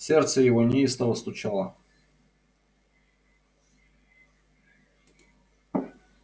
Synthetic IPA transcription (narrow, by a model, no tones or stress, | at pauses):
sʲert̪səjɪvonʲɪist̪əvəst̪ʊt͡ɕalˠə